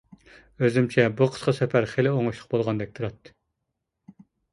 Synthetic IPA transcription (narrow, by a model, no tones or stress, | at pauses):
øzɪmt͡ʃʰɛbuqʰə̥sqɑsɛpʰæɾχelɪoŋuʃlˠə̥qbolˠʁɑnd̪ɛk̚ʲt̪ʰuɾɑt̪ːɨ̥